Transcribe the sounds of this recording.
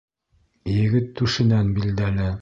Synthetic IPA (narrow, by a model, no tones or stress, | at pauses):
jɘ̆ɡɘt̪ːʉʃɘ̆nænbild̪ælɘ